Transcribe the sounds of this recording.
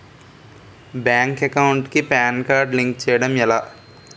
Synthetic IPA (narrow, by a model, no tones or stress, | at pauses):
bjaːŋkekɐwɳʈkipaːnkaːɾɖliŋkt͡ʃɛːjɐɽɐmɛlaː